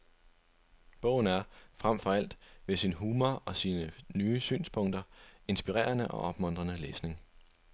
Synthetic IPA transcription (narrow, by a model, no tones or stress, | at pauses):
b̥ɔ̽ʊ̰n̩æɐfʁam̰fɒ̽æl̰d̥ʋe̝sinɦuːmɐɒ̽siːnənyːəsy̰ːnspʰɔ̽ŋ̰d̥ɐe̝nsb̥iʁɛ̰ːɐnəʔɒ̽ʔɒ̽b̥mɔ̽n̰d̥ʁɐnəlḛːsne̝ŋ